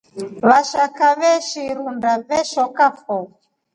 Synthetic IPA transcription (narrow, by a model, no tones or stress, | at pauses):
βaʃakaβɛʃiɾundaβɛʃɔkafɔ